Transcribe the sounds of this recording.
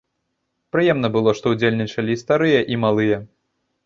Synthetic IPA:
pɾɨjɛmnɐbɨlˠɔʂt̪ɔwd͡zʲelʲnʲit͡ʂɐlʲist̪aɾɨjɐʔimalˠɨjɐ

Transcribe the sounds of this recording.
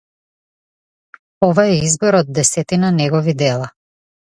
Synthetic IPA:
ɔvaɛizbɔɾɔd̪̚dːɛsɛt̪inanɛɡɔvid̪ɛlˠa

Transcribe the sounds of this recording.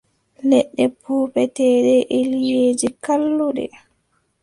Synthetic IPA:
lɛɗːɛpʰuːpɛtɛːɗɛʔelijjeːd͡ʒikalːuɗɛ̰

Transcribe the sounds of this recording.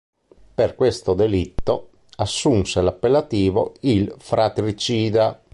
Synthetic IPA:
perkwest̪od̪elit̪ːo | asːunselapːelːat̪iːvoilfɾat̪ɾit͡ʃiːd̪a

